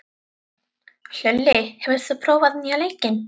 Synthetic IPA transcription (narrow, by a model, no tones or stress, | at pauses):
l̥œlːɪhɛvʏɾ̥θʏpʰɾoːwvaðniːaleːjcɪn